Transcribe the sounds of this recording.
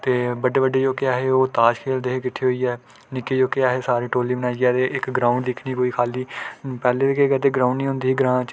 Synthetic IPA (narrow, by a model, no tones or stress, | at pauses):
t̪eːbəɖeːbəɖeːd͡ʒoːkeaːɦeːoːt̪aːʃkʰeːld̪eːɦeːkɪʈʰːeːɦoːiːɛː | nɪkːeːd͡ʒoːkeaːɦeːsaːɾiːʈoːliːbənaːd͡ʒiːɛːt̪eːʔɪkɡɾãːʊ̃ɳɖd̪ɪkʰniːkoːiːkʰaːliːpɛːleːekeːkəd̪eːɡɾaːʊɳɖiːɦʊ̃nd̪iːiːɡəɾãːt͡ʃ